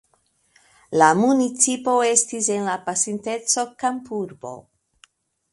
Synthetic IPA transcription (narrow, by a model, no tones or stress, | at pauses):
lamunit͡sipo̞e̞stise̞nlapasinte̞t͡so̞kampuɾbo̞̰